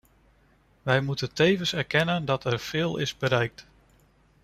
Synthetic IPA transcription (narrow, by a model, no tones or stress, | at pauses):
ʋɛjmutəntejvəsɛɹkɛnəndɑtʰɛɹv̥ɪːlˠɪ̰zbəɾɛjk̚t